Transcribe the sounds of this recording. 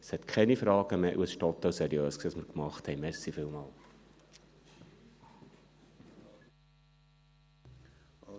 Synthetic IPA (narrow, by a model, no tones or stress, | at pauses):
shɛtkʰɛnifrɑːɡəmeːʔuəsʃtɔtːowsɛɾiøːsksiɑsmərkmɑχthɛmɛsifilˠmɑːl